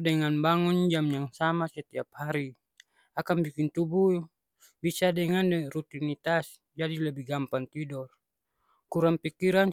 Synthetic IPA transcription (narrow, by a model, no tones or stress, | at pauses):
dɛŋanbaŋɔnd͡ʒamjaŋsamasɛt̪iap̚haɾi | akanbikint̪ubu | bisadɛŋandɛrut̪init̪as | d͡ʒadiləbiɡampant̪idɔr | kuɾaŋpikiɾan